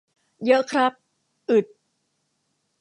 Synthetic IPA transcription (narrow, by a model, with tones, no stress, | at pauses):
jɤ˦˥ʔkʰɾa˦˥p̚ | ʔɯ˨˩t̪̚